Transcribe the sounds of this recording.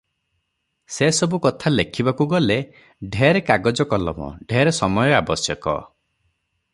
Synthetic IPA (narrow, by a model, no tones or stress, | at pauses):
sesɔbukɔt̪ʰalekʰibakuɡɔle | ɖʱeɾekaɡɔd͡ʒɔkɔlɔ̰mɔ̰ɖʱeɾesɔmɔjɔabɔsjɔkɔ̰